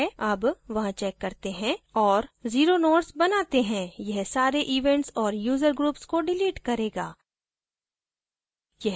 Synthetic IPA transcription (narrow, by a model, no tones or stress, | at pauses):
ɐbʋɐɦãt͡ʃɛːkːɐɾt̪eɦɛ̃ɔːɾziːɾonoːʈsbɐnaːt̪eɦɛ̃jɛɦsaːɾeʔiːʋɛ̃ɳʈsɔːɾjuːzəɾɡɾuːpskoɖɪliːʈkɐɾeːɡaː | jɛ